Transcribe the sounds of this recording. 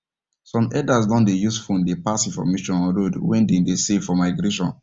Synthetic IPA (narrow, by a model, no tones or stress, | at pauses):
sɔ̃mɛdasdɔ̃ndejusfũndepasĩfɔ̰meʃɔ̃nɔ̃nɹodwɛ̃ndẽndesefɔmaɪɡɾeʃɔ̰̃n